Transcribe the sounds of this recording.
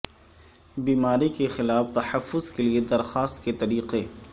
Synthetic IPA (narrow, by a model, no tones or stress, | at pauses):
biːmaːɾikexɪlaːft̪ɐħɐfːʊzkelied̪ɐɾxaːst̪ket̪ɐɾiːqe